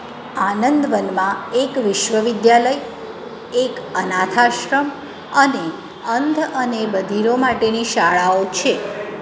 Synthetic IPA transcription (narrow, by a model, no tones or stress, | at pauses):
anənd̪ʋənmãekʋɪʃʋəʋɪd̪jaləj | ekənat̪ʰaʃɾəm | əne | ənd̪ʱənebəd̪ʱiɾomaʈeniʃaɭaot͡ʃʰe